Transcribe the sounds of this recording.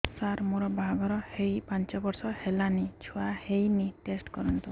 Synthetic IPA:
saɾmoɾɔbʱaɡɔɾɔhejpant͡ʃɔbɔɾsɔhelanit͡ʃʰuahejniʈesʈkɔɾɔnt̪u

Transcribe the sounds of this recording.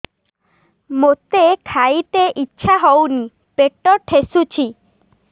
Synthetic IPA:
mot̪ekʰajt̪eʔitːʃʰaɦɔwni | peʈɔʈʰesut͡ʃʰi

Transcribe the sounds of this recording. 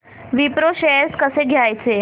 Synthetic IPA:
ʋipɾoɕeskəseɡʱjajt͡se

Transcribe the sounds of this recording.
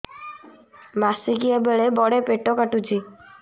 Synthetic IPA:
masiɡiebeɭebɔɽepeʈokaʈut͡ʃʰi

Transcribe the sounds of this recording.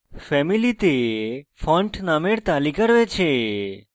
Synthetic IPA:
fɛmilit̪efɔ̃ɳʈnameɽt̪alikəɾʋet͡ʃʰe

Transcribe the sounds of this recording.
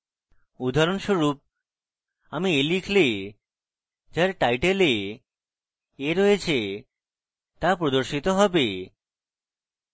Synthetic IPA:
ud̪ʱaɾonʃoɾup̚ | amielikʰle | d͡ʑaɾʈajʈele | eɾojet͡ɕʰe | t̪apɾod̪oɾʃit̪oɦɔbe

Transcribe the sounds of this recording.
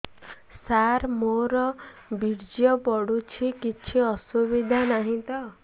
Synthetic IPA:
saɾmoɾɔbiɽd͡zijʌbɔɽut͡sʰikit͡sʰiʌsubid̪ʱanaɦĩt̪ʌ

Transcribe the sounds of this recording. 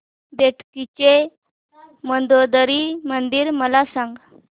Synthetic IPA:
d̪eʈkit͡ɕe | mənd̪od̪əɾimənd̪iːɾməlasaŋɡ

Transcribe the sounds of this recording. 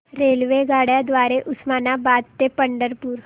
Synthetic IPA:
ɾelʋeɡaɽjad̪ʋaɾeʔusmanabad̪t̪epəɳɖəɾpuːɾ

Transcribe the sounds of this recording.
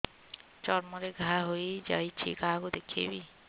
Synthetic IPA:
t͡ʃɔɾmɔɾeɡʱaɦojd͡ʒa̰jt͡ʃʰḭkaɦakud̪ekʰḛbi

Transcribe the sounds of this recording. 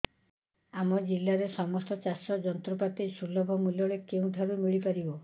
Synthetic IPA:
amɔd͡ʒilːaɾesɔmɔst̪ɔt͡ʃasɔd͡ʒɔnt̪ɾɔpat̪ejsulɔbʱɔmulɔɭekeũd̪ʱaɾumiɭipaɾibɔ

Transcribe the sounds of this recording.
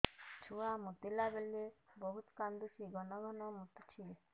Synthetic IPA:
t͡ʃʰuamut̪ilabelebɔɦut̪kand̪usiɡɔnɔɡʱɔnɔmut̪ːt͡ʃʰi

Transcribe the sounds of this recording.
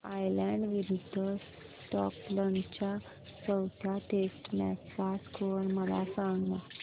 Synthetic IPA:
ajlɛ̃ɳɖʋiɾud̪ʱːəs | ʈɔ̰klənt͡ɕja | t͡səwt̪ʰjaʈesʈmɛaskoɾməla̰sãŋɡna

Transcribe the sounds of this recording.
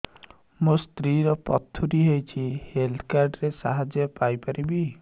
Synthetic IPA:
must̪ɾiɾɔpɔt̪ʰːuɾiɦojt͡ʃʰiheld̪ʰɔkaɾɖɾesaɦad͡ʒjɔpajpaɾibi

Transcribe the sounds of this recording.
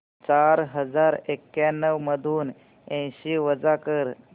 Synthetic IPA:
t͡ɕaɾɦəd͡zaɾekjanːəʋməd̪ʱuːn | ɛ̃ɕiːʋəd͡zakəɾ

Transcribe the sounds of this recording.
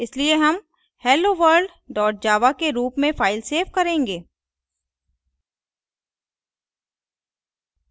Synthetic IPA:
ɪslieɦɐm | hɛːloʋəɾɖ | ɖɔːʈ̚d͡ʒaːʋakeɾuːpmẽfaːɪlseːfkɐɾẽːŋɡeː

